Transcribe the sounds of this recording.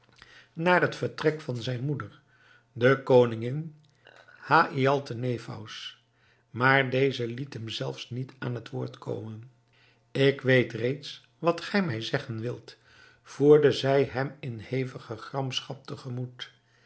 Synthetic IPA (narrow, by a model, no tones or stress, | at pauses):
naːrɦətfəɹtrɛkfɑnzɛjnmudəɹ | dəkownɪŋɪn | haːʔiɑlˠtənejfɑ̰ws | maːɹdejzəlitɦəmzɛlˠfsnita̰ːnɦətʋʊːɹtkʰo̰wmən | ɪkʋejtrejts | ʋɑtχɛjmɛjzɛχənʋɪlˠt | v̥uːɹdəzɛjɦɛmɪnhejvəχəχrɑmsχɑp̚təχəmut